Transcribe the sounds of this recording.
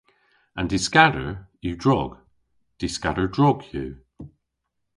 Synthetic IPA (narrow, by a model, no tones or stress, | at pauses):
ə̃ndiskaɾəɹjuːdɹɔɡ̥ | d̥iskaɾə˞dɹɔɡjʉː